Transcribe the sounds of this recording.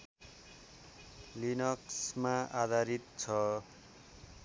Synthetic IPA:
linʌksmaʔad̪ʱaɾit̪̚t͡sʰʌ

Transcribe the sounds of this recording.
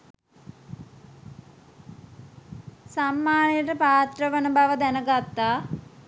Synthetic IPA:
samːaːnejəʈəpaːt̪rəʋənəbaʋəd̪ænəɡat̪ːaː

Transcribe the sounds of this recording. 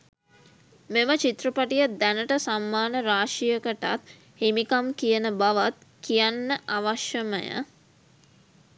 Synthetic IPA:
memət͡ʃit̪rəpaʈijəd̪ænəʈəsamːaːnəɾaːʂijəkəʈa̰t̪ | hemikamkijənəbaʋat̪̚ | kijanːəʔaʋaʃjəməjə̰

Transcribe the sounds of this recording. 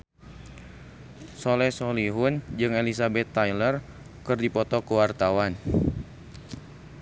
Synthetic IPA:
solɛsoliɦʊnd͡ʒɨŋelisabɛt̪ːajlər | kɨrdipɔt̪ɔkəwart̪awan

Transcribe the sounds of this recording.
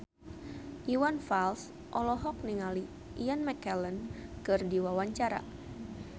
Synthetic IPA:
ʔiwanfals | ʔɔlɔɦɔk̚niŋali | ʔianmɛkɛlənkɨrdiwawaɲt͡ʃaɾa̰

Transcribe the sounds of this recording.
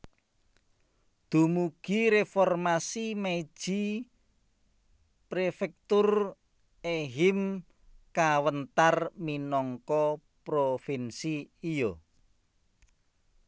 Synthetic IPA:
d̪̥ṳmuɡ̥iɾefɔrmasime̥ʒ̥i | pɾefɛk̚t̪ʊr | eɦɪm | kawənt̪arminɔŋkɔ | pɾofinsiːjo

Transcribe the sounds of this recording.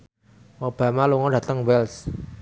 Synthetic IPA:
ʔob̥a̤maluŋɔɖä̤t̪əŋwɛls

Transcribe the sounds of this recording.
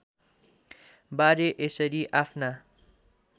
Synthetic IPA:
baɾeʔesʌɾiʔapʰna

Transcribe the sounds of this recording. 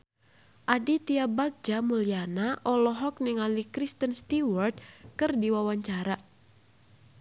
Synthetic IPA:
ʔadit̪iabaɡ̚d͡ʒamulianaʔɔlɔɦɔk̚nɪŋalikɾist̪ənst̪iwɔrd̪̚kɨrdiwawaɲt͡ʃaɾa

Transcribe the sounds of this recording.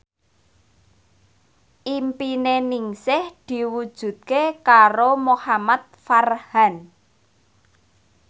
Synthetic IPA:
ʔimpineniŋsɪhd̪̥i̤wud̥ʒ̥ṳt̪̚kekaɾomohamat̪̚farhan

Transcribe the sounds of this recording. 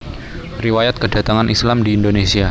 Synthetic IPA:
riwajat̪̚kəda̤t̪aŋanʔislamdiːndonesia

